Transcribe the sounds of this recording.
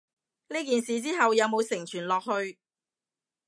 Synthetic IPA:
niː˥kiː˨nsiː˨t͡siː˥ɦɐ˨wjɐ˨˧wmo˨˧wsɪ˨˩ŋt͡ʃʰyː˨˩nlɔː˨k̚hɵ˧ɥ

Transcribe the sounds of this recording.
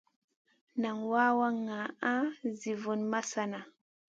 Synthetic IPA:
na˨ŋwa˦wa˦ŋa˨a˦zi˨vu˨nma˦sa˦na˨

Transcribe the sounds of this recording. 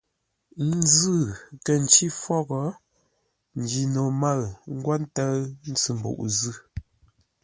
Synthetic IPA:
n˦zɨ˦˨kə˨n̩˨t͡ʃi˦fɔ˦ɣɔ˨˦ | n̩˨d͡ʒi˨no˨ma˦˨ŋ̩˦ɡwa˦n˦tə˦n̩˦t͡sɨ˨m̩˨bṵ˨ʔzɯ˦˨

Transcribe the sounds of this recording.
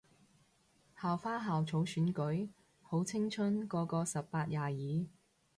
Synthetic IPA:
haː˨˩wfaː˥ɦaː˨wt͡sʰo˨˥wsyː˨˥nkɵ˨˥j | ho˨˥wt͡sʰɪ˥ŋt͡ʃʰɵ˥nkɔː˧kɔː˧sɐ˨pːaː˧t̚jaː˨jiː˨˥

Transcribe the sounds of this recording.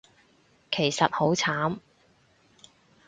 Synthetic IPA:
kʰe˨˩jsɐ˨t̚ho˨˥wt͡sʰaː˨˥m

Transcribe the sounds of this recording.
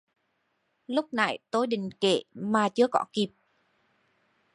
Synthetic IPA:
lʊ˦˥k͡p̚na̰˧˩jt̪o˧˦jɗï˨˩ŋ̟kḛ˧˩˨maː˨˩t͡ɕɨ˨˧˦əkɔ˧˥ki˨˩p̚

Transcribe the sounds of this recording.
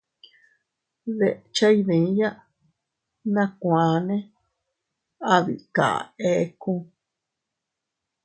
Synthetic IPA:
ðḛ˨ʔt͡ʃa˦i˦ðẽ˨˦ja˦ʔ | nã˦kʷã˨nẽ˦ | a˧βḭ˨ka̰˨e˦kũ˦

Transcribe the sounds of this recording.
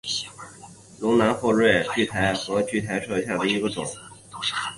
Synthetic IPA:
lʊ˧˥ŋna˧˥nxwɔ˥˧ɻwe˥˧ɪt͡ɕy˥˩t̪ʰa˧˥ɪxɤ˧˥t͡ɕy˥˩t̪ʰa˧˥ɪʈ͡ʂʰɤ˥˧ɕja˥˩d̪ə˩i˧˥ɡə˧ʈ͡ʂʊ̰˨˩˦ŋ

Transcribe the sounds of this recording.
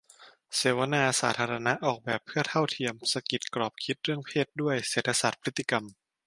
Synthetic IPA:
seː˨˩˦wa˧naː˧saː˩˦t̪ʰaː˧ɾa˧na˦˥ʔɔː˨˩k̚bɛː˨˩pʰːɯ˥˩ət̪ʰa˥˩wt̪ʰi˧əmsa˧ki˨˩t̪̚kɾɔː˨˩p̚kʰi˦˥t̪̚ɾɯ˥˩əŋpʰeː˥˩t̪̚du˥˩əjseː˨˩t̪ʰːa˧sa˨˩t̪̚pʰɾi˦˥t̪ːi˧ka˧m

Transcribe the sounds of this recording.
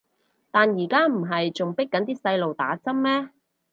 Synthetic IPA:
t̪aː˨njiː˨˩kaː˥m̩˨˩ɦɐ˨jt͡sʊ˨ŋpɪ˥kːɐ˨˥nt̪iː˥sɐ˧jlo˨wt̪a̰ː˨˥t͡sɐ˥m̚mɛː˥

